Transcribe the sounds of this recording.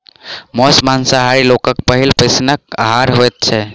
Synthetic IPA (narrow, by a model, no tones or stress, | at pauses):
mɔːsmaːnsaɦaːɾiloːkəkpəɦilpəsnək̚ɦaːɾɦojt̪̚t͡ʃʰe